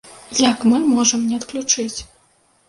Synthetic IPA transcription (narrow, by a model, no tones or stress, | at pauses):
jɐkmɨmɔʐɐmnʲɛɐt̪klʲut͡ʂɨt͡sʲ